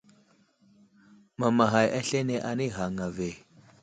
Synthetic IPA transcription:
ma˨ma˨ɦa˨jʔa˦ɬe˦ne˨ʔa˨ni˦˨ɦa˨ŋa˨ve˨

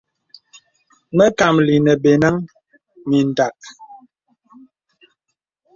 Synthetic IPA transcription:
mə˦ka˨mli˨nə˨be˨na˦ŋ | mi˨n˨da˨k̚

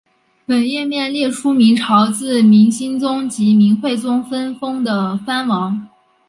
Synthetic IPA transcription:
pə˨˩njɛ˥˧mjɛ˥˧nljɛ˥˩ʂu˥mi˧˥ŋʈ͡ʂʰɑ˧˥ʊt͡sɹ̩˥˩mi˧˥ŋɕi˥nt͡sʊ˥ŋt͡ɕi˧˥mi˧˥nxwe˥˩ɪt͡sʊ˥ŋfə˥nfɤ˥ŋd̪ə˨fa˥nwɑ˧˥ŋ

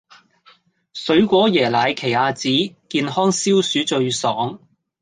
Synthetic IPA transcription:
sɵ˨˥ɥkʷɔː˨˥jɛː˨˩laː˨˧jkʰe˨˩jaː˨˧t͡siː˨˥kiː˧nɦɔː˥ŋsiː˥wsyː˨˥t͡ʃɵ˧ɥsɔː˨˥ŋ

